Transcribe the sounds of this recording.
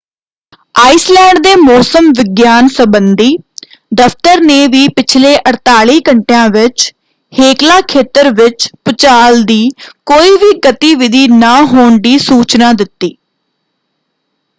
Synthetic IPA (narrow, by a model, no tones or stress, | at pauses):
aːislɛːɳɖd̪eːmɔːsəmʋɪɡjaːnsəbənd̪iː | d̪əft̪əɾneːʋiːpɪt͡ʃʰleːʔəɾt̪aːɭiːkəɳʈejãːʋɪt͡ʃ | heːklaːkʰeːt̪əɾʋɪt͡ʃpʊt͡ʃaːld̪iːkoːiːʋiːɡət̪iːʋɪd̪ʱiːnaːɦoːɳɖ̪iːsuːt͡ʃnaːd̪ɪt̪ːiː